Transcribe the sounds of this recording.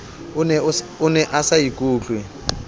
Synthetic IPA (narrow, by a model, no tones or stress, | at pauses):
nɛʊnɛʔasajikʼuːt͡ɬʼwɛ